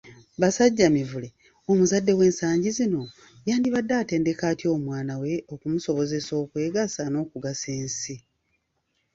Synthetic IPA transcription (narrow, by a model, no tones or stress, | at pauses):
βasaɟːamivule̞ | omuzadːe̞we̞ːnsaːɲɟizino̞ | jaːndiβadːaːte̞ːnde̞kaːtio̞ːmwaːnawe̞okumuso̞βo̞ze̞so̞ːkwe̞ːɡasano̞ːkuɡase̞ːnsi